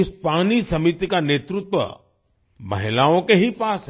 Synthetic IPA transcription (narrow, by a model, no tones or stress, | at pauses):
ɪspaːnisɐmit̪ikaneːt̪ɾʊt̪wʋə̰ | mɐ̰ɦɪlaːõkeɦipaːsɦ